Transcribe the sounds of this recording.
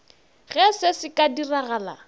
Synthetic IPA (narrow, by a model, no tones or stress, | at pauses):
ɣɛsɪsɪkʼadiraɣaːla̰